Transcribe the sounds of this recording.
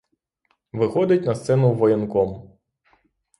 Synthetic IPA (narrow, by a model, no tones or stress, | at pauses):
ʋɪxɔd̪ɪtʲnɐst̪sɛnʊʋɔjɛnkɔm